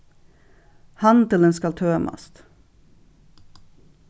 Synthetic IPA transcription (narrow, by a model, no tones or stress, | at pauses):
hɑnt̪ɪld̪ɛnskɑlt̪ʰøːmʔɑ̰st̪